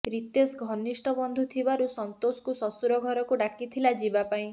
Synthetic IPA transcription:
ɾit̪esɡʱɔnːisʈɔbɔnd̪ʱut̪ʰibaɾusɔnt̪osɔ̥kusɔsuɾɔɡʱɔɾɔkuɖakit̪ʰilad͡ʒibapaĩ

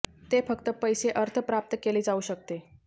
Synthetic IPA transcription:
t̪efəkt̪əpəjseʔəɾt̪ʰəpɾap̚t̪əkeliːd͡zauːɕək̚t̪e

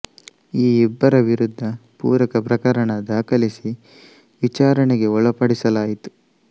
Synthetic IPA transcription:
iːɛbːɐɾɐʋiɾud̪ʱːɐpṵːɾɐkɐpɾɐkɐɾɐɳɐd̪aːkɐlisi | ʋit͡ʃaːɾɐɳeɡe̞ɔɭɐpɐɽisɐlaːjit̪u̥

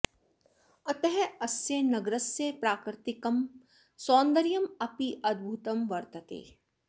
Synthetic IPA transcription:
ɐt̪ɛɦɛɐsenɐɡɾəsːepɾaːkɾɪt̪ɪkɐm | sɔːnd̪əɾijɐmɐpiʔɐd̪̚bʱuːt̪ɐmʋɐɾt̪ət̪ḛː

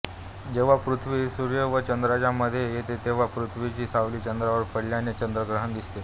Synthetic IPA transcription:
d͡ʑeʋ̤apɾut̪ʰʋisuɾjəʋət͡ɕənd̪ɾat͡ɕaməd̪ʱːjejet̪et̪eʋ̤apɾut̪ʰʋit͡ɕiːsaʋliːt͡ɕənd̪ɾaʋəɾpəɽljanet͡ɕənd̪ɾəɡɾəɦənd̪ist̪e

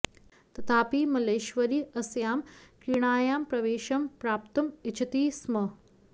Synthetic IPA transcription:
t̪ɐt̪ʰaːpiːmɐleːʃʋɐɾiːɐsjaːmkɾiɳ̃aːjaːmpɾɐʋeːʃɐmpɾaːp̚t̪ɐmɪt͡ʃʰɐt̪iːsmɐ

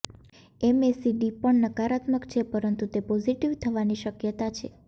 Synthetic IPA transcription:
ɛmesiɖipəɳnəkaɾat̪məkt͡ʃʰepəɾənt̪ut̪epɔziʈiʋt̪ʰəʋaniʃəkjət̪at͡ʃʰe

